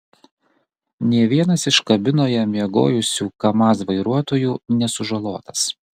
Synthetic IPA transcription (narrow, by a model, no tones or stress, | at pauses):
nʲiɛʋʲiɛnɐsɪʃkɐbʲɪnoːjɛmʲiɛɡo̰ːjʊsʲuːkɐmɑs̬ʋɐɪɾuɔt̪oːjuːnʲɛsʊʒɐlˠoːt̪ɐ̥s